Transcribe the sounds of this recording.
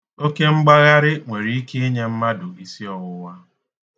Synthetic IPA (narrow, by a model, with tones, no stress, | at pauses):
o˦ke˦ŋ͡m̩˦ɡ͡ba˦ɣa˦ɾɪ˦ŋʷe˨ɾi˨˦i˦ke˦e˦ɲe˦m̩˦ma˦dʊ˨i˦si˦ɔ˨ɣʊ˦wa˦